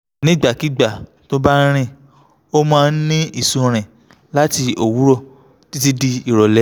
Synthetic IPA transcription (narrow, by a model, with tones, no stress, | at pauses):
nĩ˦˨ɡ͡ba˨ki˨˦ɡ͡ba˦˨ | to˦ba˦ɾ̃ĩ˧˨ | o˦mãː˦˧n̩˦nĩ˦i˦˨sũ˧ɾ̃ĩ˨ | la˦ti˧o˨wu˨˦ɾɔ˦˨ | ti˦ti˧di˧i˨ɾɔ˨lɛ˨˦